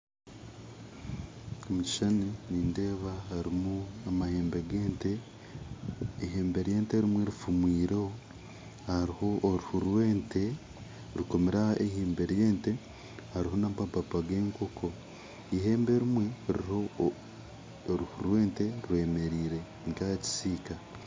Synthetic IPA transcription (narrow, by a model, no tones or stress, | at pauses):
omuci̥ʃaneniːnde̞ːβaɦaɾimuamaheːmbe̞ɡeːnte | ɦeːmbe̞ɾje̞ːnteɾimweɾufumwiːɾoo | haɾiho̞ʔːɾuhuɾweːnte | ɾuko̞meɾaʔeheːmbe̞ɾjeːnte̞ | haɾiɦo̞nabababaɡeːŋkokʰo | iɦe̞ːmbe̞ɾimwe̞ɾiho | ɾuhuɾwe̞ːnte̞ɾwe̞ːme̞ɾiːɾe̞ | ŋkaci̥siːka